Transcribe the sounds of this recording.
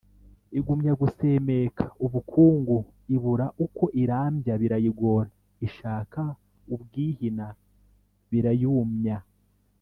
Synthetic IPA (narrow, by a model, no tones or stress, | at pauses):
iɡumɲaɡusemekʰḁuβukʰuːŋɡu | iβuɾaʔuko̞ʔiɾaːmbjaβiɾajiɡo̞ːɾa | iʃaːka | ubɡiːhina | βiɾajuːmɲa